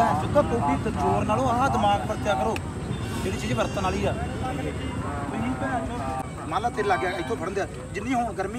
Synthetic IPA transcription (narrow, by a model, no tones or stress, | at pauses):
d͡ʒɪd̪õːpoːʈiːt̪əd͡ʒoːɾnaːlõːãd̪ɪmaːɡ̚pəɾət̪jaːkəɾoː | d͡ʒeːɽiːt͡ʃiːd͡ʒiːbəɾt̪aːnaːliːaː | iː | maːlaːt̪ʰeːɾlaːɡjaːkɪt̪ʰõːpʰəɽ̃nd̪jaː | d͡ʒɪnːĩːɦoːɳɡəɾmĩː